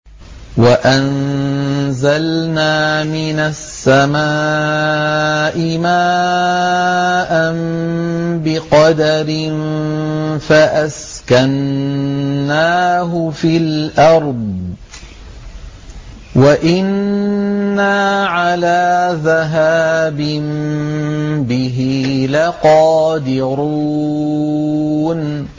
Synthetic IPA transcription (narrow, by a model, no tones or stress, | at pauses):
waʔann | zalnaːmɪnasːamaː | ʔɪmaː | ʔam | bɪqɑd̪aɾɪn | faʔaskanː | aːɦʊfilʔɑɾˤd̪̚ˤ | waʔɪnː | aːʕalaːðaɦaːbɪm | bɪɦilaqɑːd̪ɪɾu | n